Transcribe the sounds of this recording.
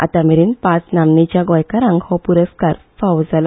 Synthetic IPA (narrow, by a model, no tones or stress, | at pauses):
a̰t̪amiɾinpat͡snamnit͡ɕjaɡɔjkaɾãŋɡhɔ̃puɾəskaɾ | fawd͡zala